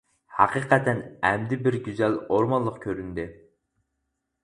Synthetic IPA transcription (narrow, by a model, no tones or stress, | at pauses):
hɑqiqɛt̪ʰɛnɛmd̪ɪbɪɾɡʲyzɛloɾmɑnlˠəqkʲʰøɾynd̪ɪ